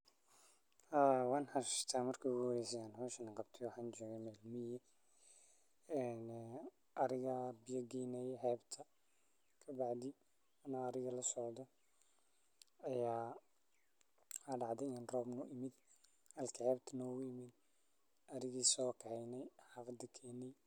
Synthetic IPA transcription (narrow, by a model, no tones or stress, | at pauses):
hawɑːnħɑt̪ʰaːmɐrkʰɐɣʊwɾɛjsɛjaːnhɔːʃɐnɐqɑbt̪ʰɛwɑħaːnt͡ʃɔːɣɛmɛːlmɪjɛ | ɛːn | ɐɾɪɣɐbɪjɐɡɛjnɛjɦɛːbt̪ʰɐ | kʰɐbɑʕd̪ɪ | ɐnɔɐɾɪɣɐlɐsɔʕd̪ɔ | ɐjaː | hɐɖɑʕd̪ɛnrɔːbnʊʔɪmɪd̪ | hɐlkʰɐʕɛːbt̪ʰɐnɔːɣʊjɪmɪd̪ | ɐɾɪɣiːsɔːkʰɛʕɛjnɛjħɑfd̪ɐkʰɛːnɛj